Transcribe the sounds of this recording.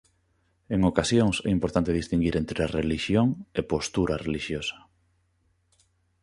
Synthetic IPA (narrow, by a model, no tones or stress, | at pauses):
eŋokasjoŋsɛ̰impoɾt̪ant̪eðist̪iŋɡiɾent̪ɾeareliʃjoŋepost̪uɾareliʃjosɐ̥